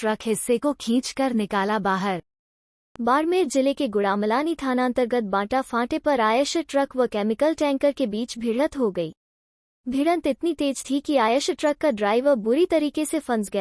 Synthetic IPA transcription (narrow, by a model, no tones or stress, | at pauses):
ʈɾɐkɦɪsːekokʰĩːt͡ʃkɐɾnɪkaːlabaːɦəɾ | baːɽmeːɾd͡ʒɪlekeɡʊɽaːmlaːnit̪ʰaːnaənt̪əɾɡət̪̚bãːʈafãːʈepɐɾaːjəʃəʈɾɐkʋɐkɛːmɪkəlʈɛ̃ːŋkəɾkebiːt͡ʃbʱiɽət̪ɦoɡɐiː | bʱiɽə̃nt̪ɪt̪nit̪eːd͡ʒt̪ʰikiaːjəʃʈɾɐkːaɖɾaːɪʋəɾbʊɾit̪ɐɾiːkesefɐ̃nsɡɐja